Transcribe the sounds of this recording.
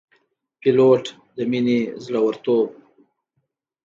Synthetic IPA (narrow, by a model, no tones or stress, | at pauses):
piloʈ | d̪əminezɽawəɾt̪ob̚